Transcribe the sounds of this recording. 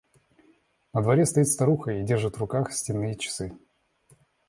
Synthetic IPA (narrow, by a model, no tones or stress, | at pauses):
nəd̪vɐɾʲɛst̪ɐit̪st̪ɐɾuxəidʲerʐɨt̪vrʊkaxsʲtʲɪnːɨjət͡ɕɪ̥sɨ